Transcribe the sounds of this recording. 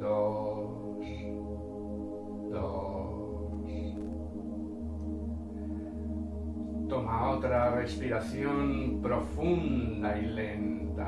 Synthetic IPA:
d̪o | d̪o̰ | t̪omaot̪ɾarespiɾaθjonpɾofũnd̪ailent̪a

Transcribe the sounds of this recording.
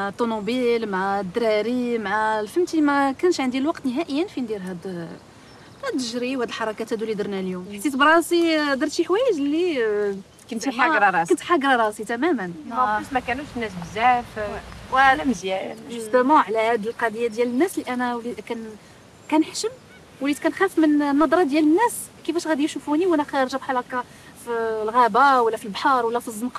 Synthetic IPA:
mʕat̪ˤːonubilmʕad̪ɾɑɾimaʕalfəmt̪imækænʃʕənd̪ilwɑqt̪nəɦæʔəjːənfind̪iɾɦæd̪ | hæd̪əʒɾiwhæd̪əlħɑɾˤɑkæt̪hæd̪ulid̪əɾnæljumħt̪ːit̪bɾˤɑsid̪ɑɾˤt̪iħwæjəʒlːi | kənt̪ɑɾˤɑɾˤɑkənt̪ħɑɡɾˤɑɾˤɑsit̪æmæmənɑusmækænuʃnːæsbəzæfwælæməzjæʒust̪əmɑ̃ʕlæhæd̪əlqɑd̪əjːæd̪jælənːæslːiʔænæwlikæn | kænəħʃəm | wlit̪kænxæffmənnːɑd̪ˤɾˤɑd̪jælənːæs | kəfæʃɣæd̪ijʃufuniwænæxæjɾˤʒæbħalæka | filɣæbawəlːæfilbħɑɾˤwəlːæfizˤːənq

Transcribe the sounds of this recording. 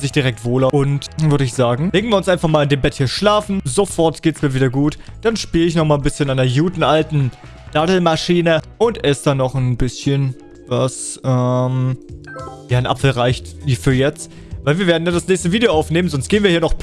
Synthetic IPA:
zɪçd̥iʁɛk̚tv̥oːlɐʊntvʏɐɾəɪçz̥aːɡŋ̩leːɡŋ̩viːɐʊnsʔaɪnfaχmaːlandeːmbɛthiːɐʃlaːfn̩zofɔɐtɡ̥eːtəsmiːɐviːdɐɡuːtd̥anʃpiːləɪçnɔχmaːlnbɪsçənaɪnɐjuːtn̩ʔaltn̩ | d̥adl̩maʃiːnəʔʊntɛsd̥anːɔχnbɪsçən | vasʔɛm | jaːnʔa̰pfl̩ʁaɪçtifyːɐjɛt͡st | vaɪlviːɐveːɐdn̩daːndasnɛːçstəviːdejoaʊfneːmənzɔnstɡ̥eːənviːhiːɐnɔχ

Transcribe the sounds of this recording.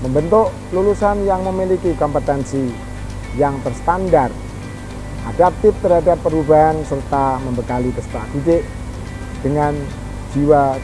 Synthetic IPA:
məmbənt̪ʊʔ | lulusanjaŋməmilikikɔmpət̪ɛnsi | jaŋt̪ərst̪andar | ʔa̰dak̚t̪ɪf̚t̪ərɦadapːəɾubaɦansərt̪aməmbəkalit̪əsə̥p̪aʔɡideʔ | d̥əŋan | d͡ʒiwa

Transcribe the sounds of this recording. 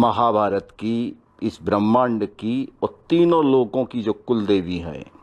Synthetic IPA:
mɐɦaːbʱaːɾət̪ki | ɪsbɾəmːãːɳɖkiɔːt̪iːnõloːɡõkid͡ʒoːkʊld̪eːʋiɦɛ̰ː

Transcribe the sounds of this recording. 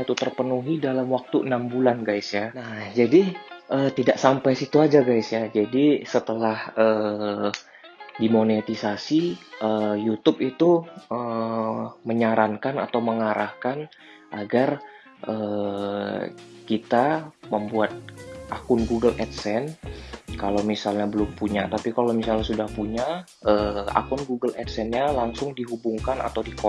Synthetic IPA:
t̪ut̪ərpənuɦidalamwak̚t̪uənambulanɡajsjanahd͡ʒadiʔəːt̪idaʔsampajsit̪uad͡ʒaɡajsjad͡ʒadisət̪əlahəː | dimonet̪isasiʔəjut̪ʊp̚it̪uə | məɲaɾaŋkana̰t̪awməŋaɾʔahkan | ʔaɡar | ʔə | kit̪aməmbuat̪̚ʔakʊnɡuɡəlʔɛt̪̚sɛnkalowmisalɲabəlʊmpuɲat̪apikalomisalɲasudahpuɲa | əa̰kʊnɡuɡəlʔɛt̪̚sɛnɲalaŋsʊŋdiɦubuŋkana̰t̪awdiko

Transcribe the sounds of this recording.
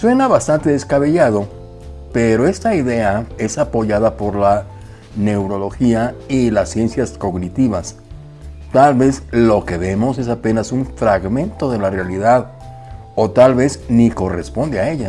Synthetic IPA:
swe̞naβast̪ant̪eðe̞skaβe̞ʝaðo̞ | pe̞ɾo̞e̞st̪aiðe̞ae̞sapo̞ʝaðapo̞ɾla | ne̞wɾo̞lo̞xiailasːje̞nsjasko̞ɣnit̪iβas | t̪alβe̞zlo̞ke̞βe̞mo̞se̞s̬ape̞nasuɱfɾaɣmẽ̞nt̪o̞ðe̞larealiðað | o̞t̪alβe̞zniko̞rḛspo̞nd̪eae̞ʝa

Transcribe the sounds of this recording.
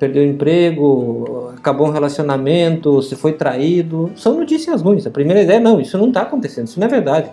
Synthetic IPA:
peɾd̪ewẽmpɾeɡʊakaboũɦelasionamẽnt̪ʊsɪfojt̪ɾaid̪ʊsɐ̃w̃not͡ʃisiɐzɦũj̃ɐsɐpɾimejɾɐid̪ɛjɐnɐ̃w̃isʊnɐ̃w̃t̪aːkõnt̪esẽnd̪ʊsʊnɐveɾd̪ad͡ʒɪ

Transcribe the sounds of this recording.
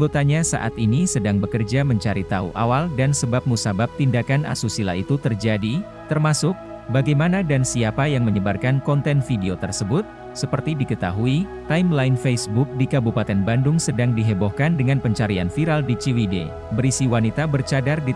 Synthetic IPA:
ot̪aɲasa̰ʔa̰t̪inisədaŋbəkərd͡ʒaməɲt͡ʃaɾit̪aṵʔa̰waldansəbap̚musabap̚t̪indakanʔa̰susila̰it̪ut̪ərd͡ʒadi | t̪ərmasʊk̚ | baɡajmanadansiapajaŋməɲəbarkankɔnt̪ɛnfideot̪ərsəbʊt̪̚ | səpərt̪idikət̪a̰ɦuit̪aɪmlaɪnfesbʊk̚dikabupat̪ɛnbandʊŋsədaŋdiɦebɔhkandəŋanpəɲt͡ʃaɾia̰nfiɾaldit͡ʃiwidḛ | bəɾisiwanit̪abərt͡ʃadardi

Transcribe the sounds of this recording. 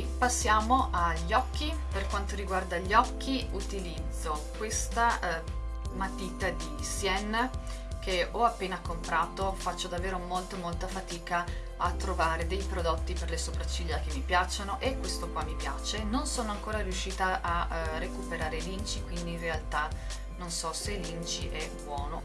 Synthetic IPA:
pasːjaːmoʔaʎːɔkːiperkwant̪oɾiɡward̪aʎːɔkːiut̪ilid̪zːokwest̪a | mat̪it̪ad̪isjɛn | keɔapːeːnakompɾaːt̪ofat͡ʃːod̪avːeːɾomolt̪omolt̪afat̪iːka | at̪ːɾovaːɾed̪ejpɾod̪ot̪ːiperlesopɾat͡ʃːiʎːak̟emːipjat͡ʃːanoʔekːwest̪okwamːipja̰ːt͡ʃenonsoːnoaŋkoːɾaɾjuʃːiːt̪aʔarːekupeɾaːɾelint͡ʃikwind̪iːnrealt̪a | nonsɔselint͡ʃiʔɛbwɔːno

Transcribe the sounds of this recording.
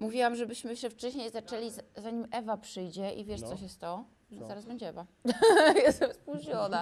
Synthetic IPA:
muvʲiwamʐɛbɘɕmɘɕɛft͡ʂɛɕɲejzat͡ʂɛlʲizaɲimɛvapʂɘjd͡ʑɛʔivʲjɛʂt̪sɔɕ̬jɛst̪ːɔ | ɔzaɾazbɛɲd͡ʑɛɛva | jɛst̪ɛmspuʑɲɔna

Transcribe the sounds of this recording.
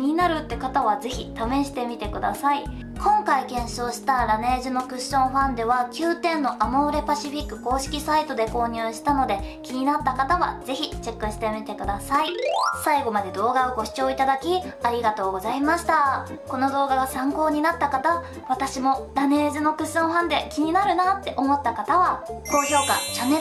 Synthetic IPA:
iɲ̟inaɾɯ̟t̪ːe̞kat̪aβaze̞çit̪amẽ̞ɕi̥t̪e̞mʲit̪e̞kɯ̟d̪a̰sai | kʰõ̞ŋkaikẽ̞ɰ̃ɕo̞ːɕi̥t̪aɾane̞ːʑɨno̞kɯ̟ɕõ̞ɰ̃ɸãnd̪e̞β̞akʲɨːt̪ẽ̞nːo̞ʔamaoɾe̞paɕiɸʲikːɯ̟ko̞ːɕi̥kʲisait̪o̞d̪e̞ko̞ːɲ̟ɯːɕi̥t̪ano̞d̪e̞kʲiɲ̟inat̪ːakat̪aβa̰z̥e̞çit͡ɕe̞kːɯ̟ɕi̥t̪e̞mʲit̪e̞kɯ̟d̪asaisaiɡo̞mad̪e̞d̪o̞ːɡaoɡo̞ɕi̥t͡ɕo̞ːit̪ad̪akʲiaɾʲiɡat̪o̞ːɡo̞zaimaɕi̥t̪a | ko̞no̞d̪o̞ːɡaɡasãŋko̞ːɲ̟inat̪ːakat̪a | βat̪aɕimo̞ɾane̞ːzɨno̞kɯ̟ɕõ̞ɰ̃ɸãnd̪e̞kʲiɲ̟inaɾɯ̟nat̪ːe̞ʔo̞mo̞t̪ːakat̪aβako̞ːço̞ːkat͡ɕane

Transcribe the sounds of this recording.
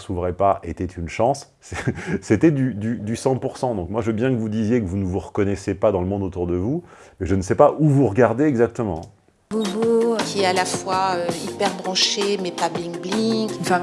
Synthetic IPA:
suvʁɛpaʔet̪ɛt̪ʰynʃɑ̃s | sɛset̪ɛd̪yd̪yd̪ysɑ̃puʁsɑ̃d̪ɔ̃kmwaʒəbjɛ̃kəvud̪izjekəvunəvuʁəkɔnɛsepad̪ɑ̃ləmɔ̃d̪ot̪uʁd̪əvumɛʒənəsɛpaʔuvuʁəɡaʁd̪eːɡzak̚t̪əmɑ̃ | bubokʲiɛalafwaøipɛʁbʁɑ̃ʃemɛpablĩŋkblĩɡ̃fɛ̃

